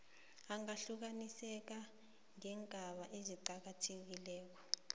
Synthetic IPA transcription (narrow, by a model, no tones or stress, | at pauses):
aŋaɬuk̬anisɛk̬a | ŋɛŋɡʱaɓaʔeziǃak̬atʰek̬ilɛːk̬ɔ̥